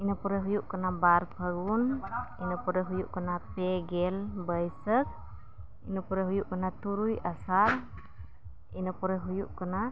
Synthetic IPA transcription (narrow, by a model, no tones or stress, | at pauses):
inəpɔɾɛɦujuʔkənabaɾpʰəɡuninəpɔɾɛɦujuʔkənapɛɡɛlbəjsək̚ | ḭnəpɔɾɛɦujuʔkənat̪uɾujasal | inəpɔɾɛɦujuʔkəna